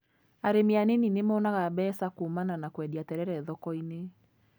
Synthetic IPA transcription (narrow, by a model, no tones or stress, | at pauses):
aɾemianeninemɔnaɣabɛːsakuːmananakwɛdiatɛɾɛɾɛðɔkɔine